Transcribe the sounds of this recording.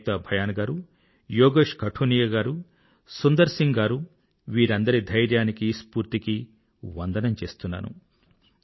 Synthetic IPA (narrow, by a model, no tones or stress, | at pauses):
t̪ɐbʱɐjaːnɐɡaːɾu | joːɡeːʂkɐʈʰuːnijɐɡaːɾu | sund̪ɐɾsiŋɡaːɾu | ʋiːɾɐnd̪ɐɾid̪ʱɐjɾjaːnikispuːɾt̪iki | ʋɐnd̪ɐnɐmt͡ʃe̞ːst̪unːa̰ːnṵ